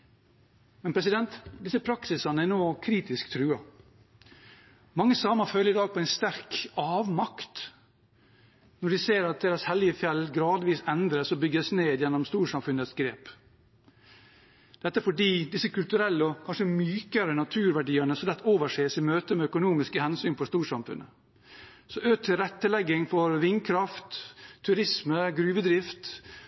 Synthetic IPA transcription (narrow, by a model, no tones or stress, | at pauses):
mɛnpʰɾɛsɪd̪ɛnt̪d̪ɪsəpʰɾɑksɪsɑnəænoːkʰɾiːt̪ɪskt̪ʰɾʉːɑ | mɑŋːəsɑːmɑfœlːəɾɪd̪ɑːɡ̚pʰɔɛɪnst̪æɾkɑːʋmɑkt̪ | nɔɖɪseːɾɑt̪̚d̪eːɾɑshɛlːɪəfjɛlːɡɾɑːd̪ʋiːsɛnd̪ɾəsɔbʏɡəsneːd̪jɛnɔmst̪uːɾʂɑmfʉnət̪sɡɾeːp | d̪̥ɛt̪ːəfɔɖiːd̪ɪsəkʉlt̪ʉɾɛlːəɔkʰɑnʂəmyːkəɾənɑt̪ʰʉːɾʋæɖiːənəsɔmd̪ɛt̪ːəoːʋəʂeːsɪmøːt̪əmɛœkʊnuːmɪskəhɛnsyːnpʰɔst̪uːʂɑmfʉ̰nʔə̰ | sɔʔøːt̪ʰəɾɛt̪ːəlɛɡːɪŋfɔɾʋɪŋkʰɾɑft̪ʰːʉɾɪsməɡɾʉːʋəd̪ɾɪft̪